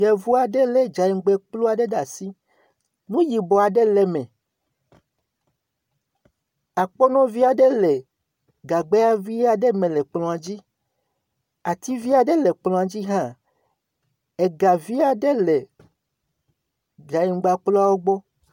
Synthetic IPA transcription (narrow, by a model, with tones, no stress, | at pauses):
jɛ˨vu˦a˨ɖe˦le˦d͡ʒa˨i˨ŋ˦ɡ͡be˦k͡plu˦a˨ɖe˦ɖa˨si˦ | nũ˦ji˨bɔ˨a˨ɖe˦le˦mẽ˨ | a˨k͡pɔ˦nɔ̃˦vi˦a˨ɖe˦le˨ | ɡa˨ɡ͡be˦a˦vi˦a˨ɖe˦mẽ˨le˨k͡plɔ̃˨a˨d͡ʑi˦ | a˨t̪i˦vi˦a˨ɖe˦le˨k͡plɔ̃˨a˨d͡ʑi˦ɦã˦ | e˨ɡa˨vi˦a˨ɖe˦le˨ | d͡ʒa˨ji˨ŋ˦ɡ͡ba˨˦k͡plu˦a˦wo˦ɡ͡bɔ˦